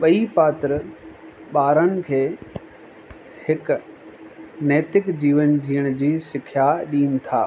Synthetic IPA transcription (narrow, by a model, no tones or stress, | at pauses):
ɓɐipaːt̪ɾ | ɓaːɾənɪ̆kʰeː | hɪk | nɛːt̪ɪkd͡ʑiːʋənd͡ʑiːəɽ̃d͡ʑiːsɪkʰːjaɗiːnɪ̆t̪ʰa̰ː